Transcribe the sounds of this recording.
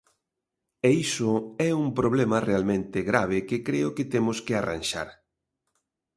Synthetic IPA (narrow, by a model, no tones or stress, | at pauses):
eisʊɛumpɾoβ̞lemɐrealmẽnt̪ɪɣɾaβ̞ɪkekɾeʊkɪt̪emoskɪara̰nʲʃa̰ɾ